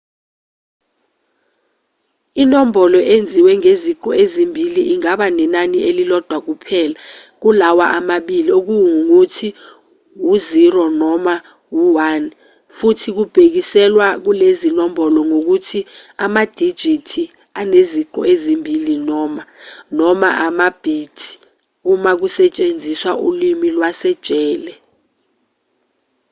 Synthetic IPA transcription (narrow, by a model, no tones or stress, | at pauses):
inɔmbʱɔlɔʔend͡zʱiwɛŋeziǃɔezimbʱiliʔiŋaɓanɛnaniʔelilɔd̥ʱwak̬upʰɛːlak̬ulawaʔamaɓiliok̬uwuŋuŋutʰi | wuzirɔnɔma | wuwan | futʰik̬ub̥ʱek̬isɛlwak̬ulezinɔmbʱɔlɔŋok̬utʰiamad̥ʱi̥d͡ʒ̥ʱitʰi | aneziǃɔ̰ezimbʱilinɔmanɔma̰ʔamab̥ʱiːtʰʼi̥ | umak̬usɛt͡ʃʼend͡zʱiswaʔulimilwasɛd̥ʒ̥ʱʼɛːlɛ